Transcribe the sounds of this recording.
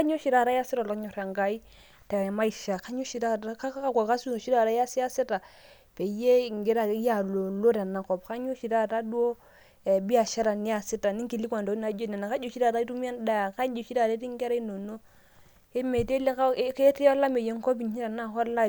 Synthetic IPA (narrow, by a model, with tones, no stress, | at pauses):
a˦ɲo˦ʃi˨ɾa˨ɾa˦ja˦si˦ɾa˨la˨kɲo˨ɾa˨ŋɡa˨˦i˦ | ta˨ma˦i˨ʃa˨ka˦ɲo˦ʃi˨ɾa˦ta˦ka˦ka˦kʷa˨ka˦su˦no˨ʃi˦ɾa˦˨ɾa˦ja˦si˦ja˦si˦ta˨ | pe˨˦je˦˨ŋ˨ɡe˦ɾa˨˦ja˨lo˨lo˦ɾa˨na˨kɔ˨pka˦ɲo˦ʃi˨ɾa˦˨ta˦du˦o˦ | e˨bi˦a˨ʃa˦ɾa˨ni˦ja˨si˦ta˨ni˦ŋki˨li˦kʷwa˨ndo˨˦na˦d͡ʒo˦ne˨na˨ka˦d͡ʒo˨ʃi˦ɾa˦˨ɾa˦i˦tu˦mi˦a˦nda˦ja˨ka˦d͡ʒo˨ʃi˦ɾa˦˨ɾa˦ɾi˦ŋ˦ɡɛ˦ɾa˦i˦no˨no˦ | e˦me˨te˦le˦ka˦kːti˦a˦la˦me˨je˦ŋ˦ko˦bi˨ɲ˦i˦ɾa˨na˦˨kɔ˦lːa˦